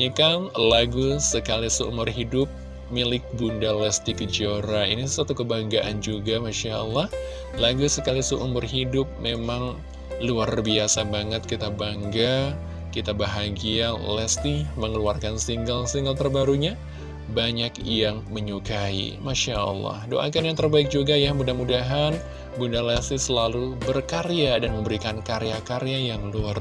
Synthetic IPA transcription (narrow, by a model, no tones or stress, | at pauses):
ɲikanlaɡusəkalisuʔṵmʊrɦidʊp̚ | milɪk̚bundalɛst̪ikəd͡ʒioɾaḭnisat̪ukəbaŋɡaʔand͡ʒuɡamaʃaʔə̰lːɑh | laɡusəkalisuʔumʊrɦidʊp̚memaŋ | luarbiasabaŋət̪̚kit̪abaŋɡa | kit̪abaɦaɡialɛst̪iməŋəluarkansiŋɡəlsiŋɡəlt̪ərbaɾuɲa | baɲakjaŋməɲukaḭmaʃaʔə̰lˠːɑ̰hdo̰ʔa̰kanjaŋt̪ərbaɪk̚d͡ʒuɡajabundamudaɦan | bundalɛst̪isəlalubərkaɾeadanməmbəɾikankaɾeakaɾejajaŋluar